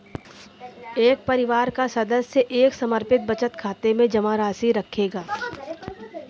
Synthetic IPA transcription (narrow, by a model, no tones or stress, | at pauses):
eːk̚pɐɾɪʋaːɾkasɐd̪əsːeʔeːksɐməɾpɪt̪̚bɐt͡ʃət̪kʰaːt̪emẽd͡ʒɐmaːɾaːsiɾɐkʰeːɡaː